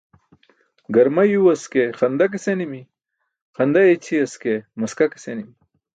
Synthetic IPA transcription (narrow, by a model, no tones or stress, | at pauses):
ɡɐɾmɐjuwɐskeχɐnd̪ɐk̬esenimi | xɐnd̪ajet͡ɕʰiɐskemɐskake̥senimi